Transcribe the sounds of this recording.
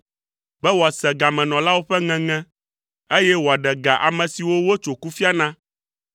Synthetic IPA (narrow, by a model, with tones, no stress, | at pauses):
bɛ˦wo˨a˨sɛ˨ɡa˨mɛ̃˨nɔ̃˨la˦wo˦ɸɛ˦ŋɛ̃˨ŋɛ̃˦ | e˦jɛ˦wo˨a˨ɖɛ˨ɡa˨ʔa̰˨mɛ̃˨si˨wo˦wo˦t͡ʃo˨ku˦fi˦a˦nã˦